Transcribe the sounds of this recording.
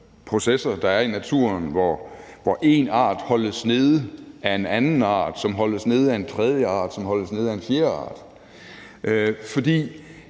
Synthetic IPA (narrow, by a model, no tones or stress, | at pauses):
pʰʁo̝sesɐd̥ɑ̈æɐinæt͡sʰuɐnʋɒʋɒʔe̝nɑ̰̈ːd̥hɒ̽ləsne̝ð̞ˠʔæe̝nænn̩ɑ̰̈ːd̥sɒ̽mɦɒ̽ləsne̝ð̞̩ˠæe̝nt͡sʰʁɛð̞ˠjəɑ̰̈ːd̥sɒ̽mɦɒ̽ləsne̝ð̞̩ˠæe̝nfjeːɐɑ̰̈ːd̥ | ʔøfɒ̽d̥ḭː